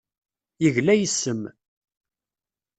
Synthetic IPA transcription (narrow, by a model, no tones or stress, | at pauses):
jəʝlæjəsːəm